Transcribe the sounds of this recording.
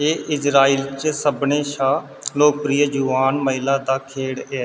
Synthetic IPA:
eːʔɪd͡ʒɾaːiːlt͡ʃsəbneːʃaː | loːk̚pɾiːəd͡ʒuːaːnməɦɪlaːd̪aːkʰeːɽɛː

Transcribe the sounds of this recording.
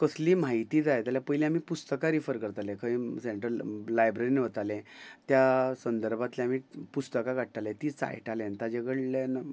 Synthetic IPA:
kəsliːmaɦit̪iːd͡z̪ajt̪jaljapəjlĩamiːpust̪əkaɾifəɾkəɾt̪alẽkʰəĩseɳʈəːajbɾəɾiniʋət̪alẽt̪jasənd̪əɾbʱat̪leam̤iːpust̪əkaɡʱaʈ̚ʈ̪alẽt̪iːt͡sa̰jʈalẽnt̪ad͡ʑeɡəɭlenə

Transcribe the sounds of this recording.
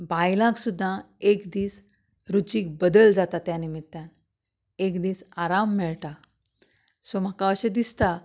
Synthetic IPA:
bajlãksud̪ʱːa | ekd̪iːs | ɾut͡ɕiːk̚bəd̪əld͡zat̪at̪janimit̪ːjan | ekd̪iːsaɾamːɛɭʈa | som̤akaəɕed̪ist̪a

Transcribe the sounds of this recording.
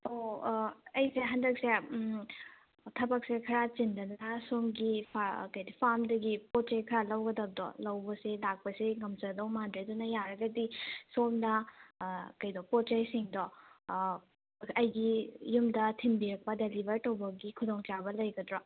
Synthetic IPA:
o | ɐjseɦɐndɐk̚se | tʰɐbɐk̚sekʰɐɾat͡ʃindɐnɐsomɡipʰakɐjdipʰamdɐɡipot̚t͡ʃajkʰɐɾalɐwɡɐdɐb̚dɔ̰lɐwbɐsilak̚pɐsiŋɐmt͡ʃɐdɐwmɐndɾedunɐjaɾɐɡɐdisomnɐ | kɐjdɔpot̚t͡ʃajsiŋdɔ | ɐjɡijumdɐtʰinbiɾɐk̚pɐdelibʱɐɾtɐwbɐɡikʰudɔŋt͡ʃabɐlɐjɡɐdɾɔ

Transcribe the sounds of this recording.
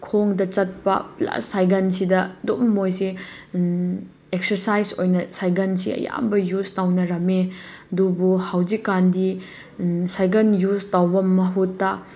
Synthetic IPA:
kʰoŋdɐt͡ʃɐt̚pɐ̰pla̰sːajɡɐnsidɐdommojsi | ek̚sɐɾsajzojnɐsajɡɐnsḭɐ̰ja̰mbɐjustawnɐɾɐmeɐdubuhawzikːandi | sajɡɐnjustawbɐmɐɦutːa

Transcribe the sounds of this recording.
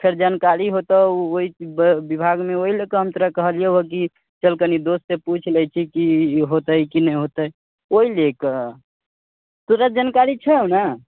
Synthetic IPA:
pʰeɾd͡ʒankaɾiɦot̪əoibibʱaɡmeoɦilekəɦəmt̪əɾəkəɦəlijeɦok̬i | t͡ʃəlkənid̪ost̪eput͡ʃʰləjt͡ʃʰikiɦot̪əjkinəjɦot̪əj | oilekə | t̪uɾəd͡ʒankaɾit͡ʃʰəna

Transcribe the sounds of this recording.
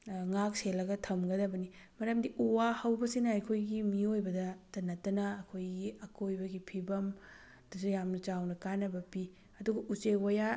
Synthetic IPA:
ŋak̚selːɐɡɐtʰɐmɡɐdɐbɐnimɐɾɐmdiʔuwahɐwbɐsinɐɐjkʰojɡimiojbɐdɐtɐnɐtːɐnɐːkʰojɡiɐkojbɐɡipʰibɐm | d̥ɐsujamnɐt͡ʃawnɐkanɐbɐpi | ɐduɡɐʔut͡ʃewɐja

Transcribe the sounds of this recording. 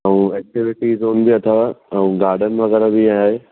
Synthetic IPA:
ɐũɛːk̚ʈɪʋɪʈizoːnbiɐt̪ʰaʋɐ̃ũɡaːɾɖʱənɪ̆ʋɐɣɛɾabĩaːɦeː

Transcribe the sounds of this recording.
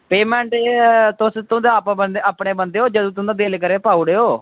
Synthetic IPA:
peːmɛ̃ːɳʈt̪ʊst̪ʊd̪aːapːənd̪eaːpɳeːbənd̪eːoːd͡ʒəd̪ũːt̪̬ʊ̃d̪aːd̪eːlkəɾeːpaːuɽeːoː

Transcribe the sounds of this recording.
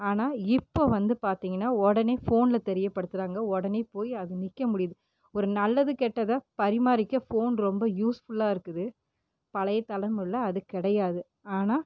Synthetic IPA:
aːnaːɪpːoːʋɐnd̪ɯpaːɾt̪iːŋɡɐnːaːɔɽɐneːfoːnlɐt̪ɛɾɪjɐpːɐɽɯt̪ːɯɾaːŋɡɐɔɽɐneːpoːjɐðɯnɪkːɐmʊɽɪjðɯ | ɔɾɯnɐlːɐðɯkɛʈːɐðaːpɐɾɪmaːɾɪkːɐfoːnɾɔmbɐjuːsfʊɭːaːɪɾɯkːɯðɯ | pɐlɐjɐt̪ɐlɐmɯɭːɐːðɯkɪɽɐjaːðɯ | aːnaː

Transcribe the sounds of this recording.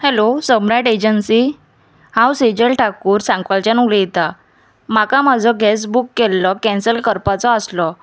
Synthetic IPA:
hɛlosəmɾaʈed͡ʑənsi | hãwsed͡ʑəlʈʰakuːɾsãŋkʋalt͡ɕanulɛjt̪a | makamad͡zʱɔɡɛs̬bukːɛlːɔkɛ̃nsəlkəɾpat͡sɔəslɔ

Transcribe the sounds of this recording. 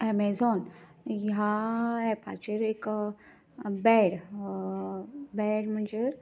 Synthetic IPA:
ɛmed͡zɔnjaɛpʰa̰t͡ɕeɾek | bɛɽ | bɛɽm̤əɳd͡ze

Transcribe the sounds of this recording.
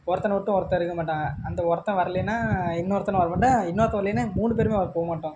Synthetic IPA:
ɔɾɐt̪ːɐnʋɔʈːɯ̃ɔɾɐt̪ːɐ̃ɪɾɯkːɐmaːʈːãɐnd̪ɐɔɾɐt̪ːɐ̃ʋɐɾɐlɪnːaːɪnːoːɾɐt̪ɐnɐ̃ʋɐɾɐmaːʈːɐ̃ɪnːoːɾɐt̪ːɐ̃ʋlɪnɯmuːɳɖɯpeːɾɯmeːɐpoːɣɐmaːʈːʊ̃ː

